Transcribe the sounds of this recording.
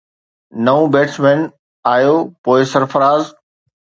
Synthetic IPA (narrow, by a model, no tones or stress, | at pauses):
nɐũbeːʈsʰmeːn | aːjopoːɪsɐɾfɐɾaːz